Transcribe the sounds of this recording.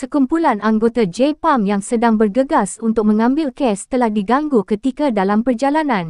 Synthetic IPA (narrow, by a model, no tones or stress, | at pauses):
səkumpulanʔaŋɡot̪ad͡ʒepamjaŋsədaŋbərɡəɡasunt̪ʊk̚mə̃ŋãmbɪlkɛst̪əlahdiɡaŋɡukət̪ikadalampərd͡ʒalanãn